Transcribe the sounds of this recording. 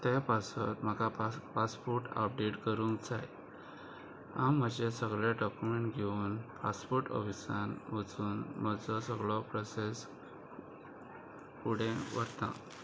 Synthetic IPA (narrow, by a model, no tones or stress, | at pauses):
t̪japasət̪m̤əkapaspuɾʈa̰p̚ɖeʈkəɾũːŋkd͡zaj | ã̰mm̤əd͡ʑesəɡɭaɖɔkumeɳʈɡʱeuːnpaspuɾʈə̰ʋisanʋət͡suːnm̤əd͡zɔsəɡɭɔpɾɔses | puɽ̤ẽʋəɾt̪ã̰